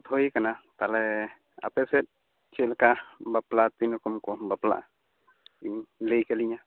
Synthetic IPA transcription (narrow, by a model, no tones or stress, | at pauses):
t̪hojkanat̪alɛ | a̰pɛsɛt̪̚ | t͡ʃɛlkabaplat̪inukumkɔbapla̰ʔ | iɲlɛjkɛliɲa